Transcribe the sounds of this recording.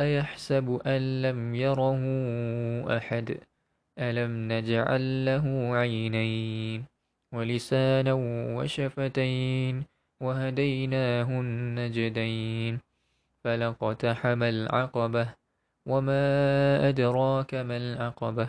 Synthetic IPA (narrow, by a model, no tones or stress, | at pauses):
ʔajaħsabʔanlamjɑɾˤɑhʊʔa̰ħad̪ | ʔalamnad͡ʒʕa̰lːaɦʊʕajnajn | walɪsaːnawa̰ʃafat̪ajn | waɦad̪ajnaːɦʊnːad͡ʒɪd̪ajn | falɑqɑt̪aħamalʕɑqɑbah | wamaːʔad̪ɾˤɑːkamalʕɑqɑba